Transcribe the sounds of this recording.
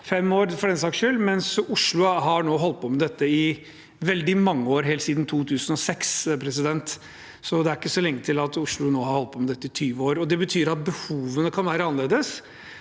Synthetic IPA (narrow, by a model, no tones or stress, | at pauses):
fɛmoːɾfɔɖɛnsɑːkʂøːlmɛnsʊʂɭʊɦɑnoːɦɔlt̪̚pʰɔmɛd̪ɛt̪ːəɪ | ʋɛld̪ɪmɑŋːəoːɾɦɛːlt̪siːd̪n̩t̪ʰuːt̪ʰʉːsən̩ɔsɛkspʰɾɛsɪd̪ɛnt̪ | sɔd̪ɛæɾɪkːəsɔlɛŋːət̪ʰɪlɑt̪ʊʂɭʊnoːhɑɾhɔlt̪̚pʰɔmɛd̪ɛt̪ːəɪt̪ʰyːʋəoːɾɔd̪ɛbət̪ʰyːɾɑt̪̚bəhuːʋənəkʰɑnʋæːɾəɑnəleːd̪əs